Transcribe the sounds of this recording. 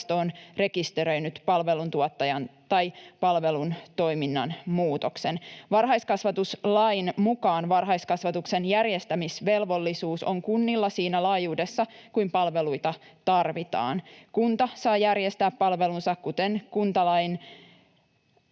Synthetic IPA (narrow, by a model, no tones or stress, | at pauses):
t̪oːnre̞kist̪eɾø̞jnyt̪pɑlʋe̞lunt̪uot̪ːɑjɑnt̪ɑjpɑlʋe̞lunt̪o̞jminːɑnmuːt̪o̞kse̞nʋɑrɦɑjskɑsʋɑt̪uslɑjnmukɑːnʋɑrɦɑjskɑsʋɑt̪ukse̞njærje̞st̪æmisʋe̞lʋo̞lːisuːso̞̰ŋkunːilːɑsiːnælɑːjuːde̞sːɑkujmpɑlʋe̞lujt̪ɑ | t̪ɑrʋit̪ɑ̰ːnkunt̪ɑsɑːjærjest̪æːppɑlʋe̞lunsɑkkut̪enkunt̪ɑlɑjn